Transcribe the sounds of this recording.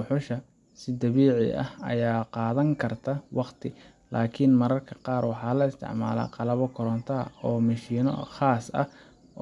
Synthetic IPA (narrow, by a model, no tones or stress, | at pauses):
ʊħʊʃɐ | sɪd̪ɐβiːʕɪ̰ʔɐ̰hɐ̰jaːqɑːðɐŋkʰɐrt̪ʰɐwɑqt̪ʰɪ | lʔaːkʰɪnmɐɾɐrkʰɐ̥qɑːrwɑħɑːlɐɪst̪ʰɪ̰ʕma̰ːla̰ːqɑlɐβɔkʰʊɾɔnt̪ʰɐɐ̰ɔːmɐʃiːnɔ̰χɑːsɐ̰